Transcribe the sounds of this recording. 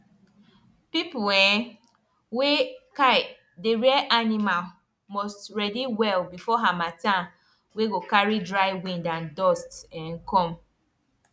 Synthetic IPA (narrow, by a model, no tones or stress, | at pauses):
pipuɛ | wekaɪ | deɹiɛʔanimal | mɔstɹɛdiwɛlbifɔɦamatã | weɡokaɹidɹaɪwĩndãndɔstɛ̃ŋ̩kɔ̃m